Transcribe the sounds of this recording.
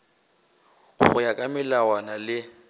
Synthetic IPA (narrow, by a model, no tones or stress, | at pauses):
χʊjakʼamɪlawanalɪ